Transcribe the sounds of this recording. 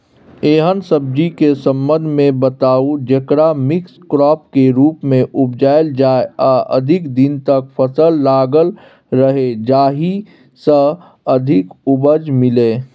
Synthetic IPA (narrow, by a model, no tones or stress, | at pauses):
eːɦənsəb̚d͡ʒikesə̃mbə̃nd̪ʱmẽbət̪aːud͡ʒəkɾamɪkskɾɔːp̚keɾuːpmẽʔʊpd͡ʒaːɪld͡ʒaːeaːʔə̰d̪ʱɪkd̪ɪnt̪ək̚pʰəsəlːaːɡəl | ɾəɦed͡ʒaːɦi | sə | əd̪ʱɪkʊbəd͡ʒmɪleː